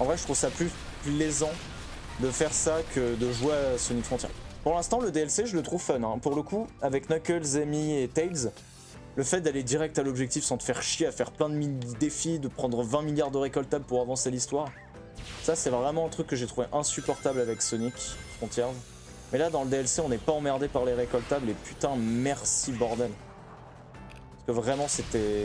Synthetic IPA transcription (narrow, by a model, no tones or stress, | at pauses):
ɑ̃vʁɛʒət̪χuvsaply | plezɑ̃ | d̪əfɛʁsakʰəd̪əʒweasɔnikfχɔ̃t̪jɛ̰ʁpuʁlɛ̃st̪ɑ̃ləd̪eɛlseʒələt̪χuvfœnɛ̃puʁləkuavɛknɔkʲɛlzemiet̪ɛjlz | ləfɛt̪̚d̪aled̪iʁɛk̚t̪alɔbʒɛk̚t̪ifsɑ̃t̪ə̥fɛʁʃjeafɛʁplɛ̃d̪əmid̪efid̪əpχɑ̃d̪ʁəvɛ̃miljaʁd̪əʁekɔlt̪ablpuʁavɑ̃selist̪waʁ | sasɛvʁɛmɑ̃ɛ̃t̪χykːəʒet̪χuveʔɛ̃sypɔʁt̪ablavɛksɔnikfχɔ̃t̪jɛʁz | mɛlad̪ɑ̃ləd̪eɛlseɔ̃nɛpaɑ̃mɛʁd̪epaʁleʁekɔlt̪ablepyt̪ɛ̃mɛʁsibɔʁd̪ɛl | pasə̥kəvʁɛmɑ̃set̪ɛ